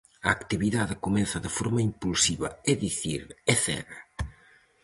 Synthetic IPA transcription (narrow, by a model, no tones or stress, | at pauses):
ɐːkt̪iβiðaðɪkomɛnθɐðɪfɔɾmɐimpulsiβɐ̰eðiθḭɾeθɛ̰ɣa